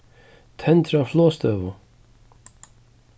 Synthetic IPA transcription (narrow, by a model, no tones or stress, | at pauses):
t̪ʰɛnt̪ɾawflɔːst̪œːvʊ̰